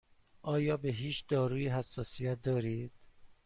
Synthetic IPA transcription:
ʔɒːjɒːbeɦiːt͡ʃd̪ɒːɾuːjiɦæsːɒːsijæt̪̚d̪ɒːɾiːd̪̥

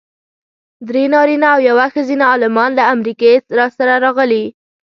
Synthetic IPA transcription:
d̪ɾenɑɾinaːwjawaxəzinaːlɪmɑnlaamɾikeɾɑsaɾaɾɑɣəli

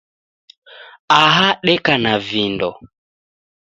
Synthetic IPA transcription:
aɦaɗɛkanavindɔ̰

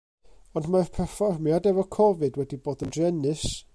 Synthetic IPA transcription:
ɔndmarpʰɛrfɔrmjadɛvɔkʰɔvɨdwɛdiboːdəndrɛnɨs

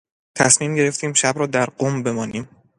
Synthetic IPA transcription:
t̪ʰæsmiːmɟe̞ɾe̞ft̪ʰiːmʃæbɾɒːd̪æɾɢoːmbe̞mɒːniːm

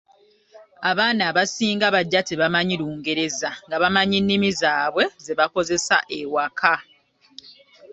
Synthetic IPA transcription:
aβaːnaːβasiːŋɡaβaɟːatiβamaɲiɾuːŋɡe̞ɾe̞zaŋɡaβamaɲinːimizaːβwe̞ze̞βako̞ze̞sa̰ʔewakʰa

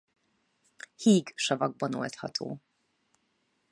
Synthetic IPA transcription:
hiːɡʃɒvɒɡ̚bɒno̞̰lt̪hɒt̪ʰo̰ː

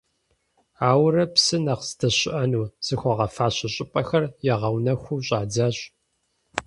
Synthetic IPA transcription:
aːwrɐpsɨnɐqsdɐɕɪʔɐnuːz̥ɨxʷɔʁɐfaːɕɐɕʼɪpʼɐxɐrjɛʁɐwnɐxʷuːɕʼaːd͡zaːɕʼ

